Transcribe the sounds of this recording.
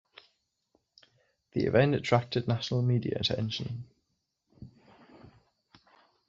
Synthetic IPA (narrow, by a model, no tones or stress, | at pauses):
ðiɪ̰vɛ̃ntətʰɹ̥ak̚tʰɪdⁿnaʃənəlˠmiːdiə̰ətʰɛ̰̃nʃə̃n